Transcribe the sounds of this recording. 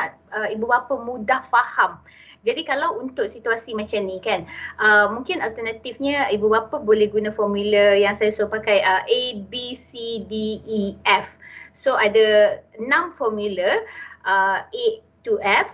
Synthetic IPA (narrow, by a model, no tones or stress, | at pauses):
aʔ | əibubapəmũdahfaham | d͡ʒadikalawunt̪ʊʔsit̪uasimãt͡ʃamnĩkanʔəmũŋkɪnalt̪ənat̪ifɲəibubapəbolɛhɡunãfɔmuləjaŋsajasopakajəʔebisidiːɛfsoʔadənãmfɔrmjuləʔəe | t̪uʔɛf